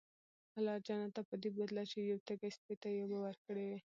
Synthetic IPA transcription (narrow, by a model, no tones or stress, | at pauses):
alɑɾd͡ʒɑnat̪apəd̪ebad̪lat͡ʃejawt̪aɡaspet̪ajabawəɾkəɽewe